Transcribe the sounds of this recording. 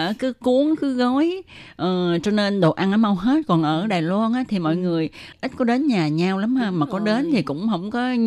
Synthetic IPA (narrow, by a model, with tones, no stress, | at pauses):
əː˧˩kɨ˨˦ku˨˦əŋkɨ˨˦ɣɔ˨˦jʔəː˨˩t͡ɕɔ˧ne˧nɗo̰˨˩ʔa˧nʔəː˨˦ma˧wɦe˦˥t̚kɔ˨˩nʔəː˧˩ɗaː˨˩jlɔ˧nʔaː˨˦t̪ʰi˨˩mɔ̰˧˨jŋɨ˨˩əjʔi˦˥t̟̚kɔ˨˦ɗe˨˦nɲaː˨˩ɲaː˧wla˨˦mhəː˧maː˨˩kɔ˨˦ɗe˨˦nt̪ʰi˨˩kʊ̰˧˥ŋ͡mɦə˧wŋ͡mkɔ˨˦